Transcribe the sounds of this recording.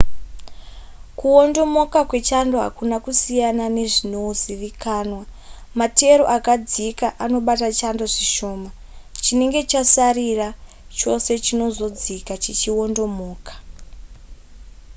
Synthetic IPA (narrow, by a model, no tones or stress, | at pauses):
kuo̞ndo̞mo̞kakwe̞t͡ʃando̞ɦa̰kunakusijanane̞ʐino̞ziʋikʰaːnwamate̞ɾo̞̰ʔakad͡zikaʔano̞ɓatat͡ʃando̞ʐiʃo̞ːma | t͡ʃine̞ŋɡe̞t͡ʃasarira | t͡ʃo̞se̞t͡ʃino̞zo̞d͡zikat͡ʃit͡ʃio̞ndo̞moːkḁ